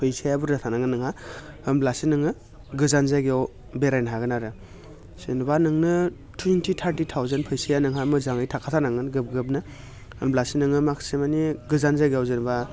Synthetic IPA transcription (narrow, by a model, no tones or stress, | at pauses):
pʰɯjsajabuɾɾatʰanaŋɯnɯŋha | ɯmblasinɯŋɯ | ɡɯzanzaɡeaw | beɾajnɦaɡɯnaɾɯ | sɯnbanɯŋnɯ | tʰuwentʰitʰaɾtitʰawzenpʰɯjsajanɯŋɦamɯzaŋɯjtʰakʰatʰanaŋɯnɡɯp̚ɡɯp̚nɯ | ɯmblasinɯŋɯmakʰsemaniɡɯzanzajɡeawzenba